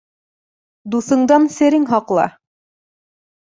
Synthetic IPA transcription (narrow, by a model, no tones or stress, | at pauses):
d̪uθɤ̆ɴd̪ɑnsɘ̆ɾɘŋɦɑqlˠɑ̰